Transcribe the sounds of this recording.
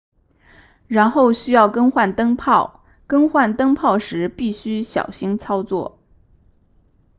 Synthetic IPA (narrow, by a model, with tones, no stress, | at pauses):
ɻa˧˥nxo˥˩ʊɕy˥jɑ˥˩ʊkɤ˥ŋxwa˥˩nt̪ɤ˥ŋpʰɑ˥˩ʊ | kɤ˥ŋxwa˥˩nt̪ɤ˥ŋpʰɑ˥˩ʊʂɻ̩˧˥pi˥˩ɕy˥ɕjɑ̰˨˩ʊɕi˥ŋt͡sʰɑ˥ʊt͡swɔ̰˥˩